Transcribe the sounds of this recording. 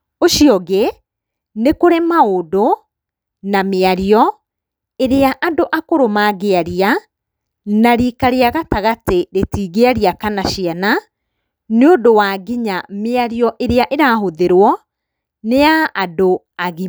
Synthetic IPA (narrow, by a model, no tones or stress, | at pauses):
oʃiɔɣe | nekoɾemaodo | nameaɾiɔ | eɾeaʔadoʔakoɾomaːɣeaɾia | naɾiːkaɾeaɣataɣateɾetiːɣeaɾiakanaɕiana | neodowaːɣiɲameaɾiɔʔeɾeaʔeɾaːɦoðeɾwɔ | neaʔado | aɣi